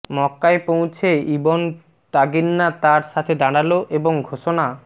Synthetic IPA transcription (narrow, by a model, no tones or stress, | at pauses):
mɔkːaepowt͡ɕʰeibon | t̪aɡinːat̪aɾʃat̪ʰed̪aɽ̃aloʔeboŋɡʱoʃona